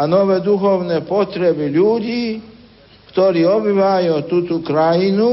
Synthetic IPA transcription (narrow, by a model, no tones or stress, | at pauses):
anoʋɛːd̪uxɔwnɛpot̪ɾɛbiʎuːɟiː | kt̪oɾiːobiʋajut̪uːt̪ɔkɾajinu